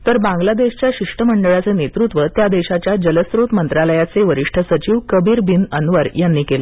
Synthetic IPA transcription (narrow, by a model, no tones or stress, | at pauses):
t̪əɾbãŋɡlad̪eɕt͡ɕjaɕiʂʈʰəməɳɖəɭat͡senet̪ɾut̪ʋət̪jad̪eɕat͡ɕjad͡ʑələsɾot̪mənt̪ɾaləjat͡seʋəɾiʂʈʰəsət͡ɕiʋkəbʱiːɾbinə̰nʋəɾjanːiːkelə